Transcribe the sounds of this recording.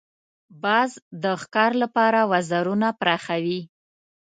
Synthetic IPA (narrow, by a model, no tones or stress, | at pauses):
bɑzd̪əxkɑɾlapɑɾawazaɾunapɾaxawi